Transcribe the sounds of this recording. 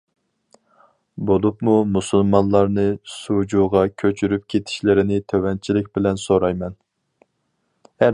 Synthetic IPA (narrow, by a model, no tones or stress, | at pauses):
bolˠupmumusulˠmɑnlˠɑɾnɨsud͡ʒuʁɑkʲʰøt͡ʃʰyɾyp̚kʲʰet̪ʰi̥ʃlɪɾɪnɪt̪ʰøwɛnt͡ʃʰilɪk̚ʲbɪlɛnsoɾɑjmɛn | æ